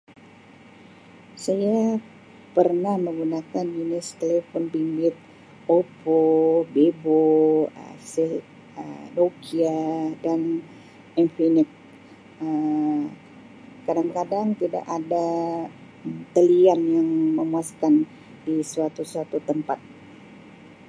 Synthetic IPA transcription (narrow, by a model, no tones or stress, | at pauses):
saja | pərnahməŋɡunakaninɪst̪elefɔnpimbɪt̪̚ | opobeboə̰si | ədokiadan | ɛnfinɪk̚ | ə | kadaŋkadaŋt̪ida̰ʔada | mt̪əlianjaŋməmuaskan | disuat̪usat̪ut̪əmpat̪̚